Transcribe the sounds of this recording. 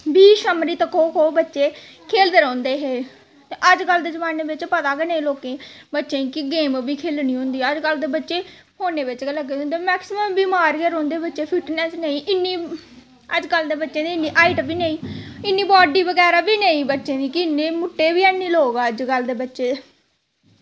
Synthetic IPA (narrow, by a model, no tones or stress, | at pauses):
biːʃəmɾiːt̪əkoːkoːbətːʃeː | kʰeːld̪eːɾɔ̃ːnd̪eːɦeː | ʔəd͡ʒɡəld̪eːd͡ʒəʋaːneːbɪt͡ʃpət̪aːɡeːneĩːloːkẽːbətːʃẽːkɪɡeːmbiːkʰeːlniːɦõːnd̪iːəd͡ʒɡəld̪eːbətːʃeː | hoːneːbɪt͡ʃɡləɡːeːõnd̪eːmɛːksɪməmbiːmaːɾɡeːɾõːnd̪eːbətːʃeːpʰɪʈnɛːsneĩːʔɪnːiː | əd͡ʒɡəld̪eːbətːʃẽːd̪iːɪnːiːʔaːɪʈbiːneĩːɪnːiːbɔːɖiːʋəɡɛːɾaːbiːneĩːbətːʃẽːd̪iːkɪɪnːẽːmʊʈːeːʋiːɛːnːiːloːɡaːəd͡ʒɡəld̪eːbətːʃeː